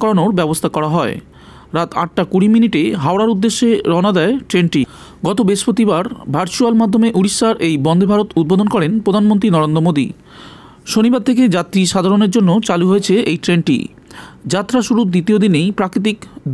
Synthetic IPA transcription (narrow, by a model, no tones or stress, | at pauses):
kɔɾonoɾbɛbost̪ʰakɔɾaɦɔe | ɾat̪ʰa̰ʈʈakuɽiminiʈeɦaoɾaɾud̪ːeʃːeɾɔnad̪ɛeʈɾenʈi | ɡɔt̪obeʃpɾot̪ibaɾbʱaɾt͡ɕualmad̪ʱːomeʔuɽiʃaɾʔejbɔnd̪ʱebʱaɾot̪ud̪̚bod̪ʱonkɔɾenpɾod̪ʱanmont̪ɾinɔɾend̪ɾomod̪ḭ | ʃonibaɾt̪ʰeked͡ʑat̪ɾiʃad̪ʱaɾoneɾd͡ʑonːot͡ɕaluɦoet͡ɕʰeejʈɾenʈḭ | d͡ʑat̪ːɾaʃuɾud̪it̪iod̪inejpɾakɾit̪̬ik̪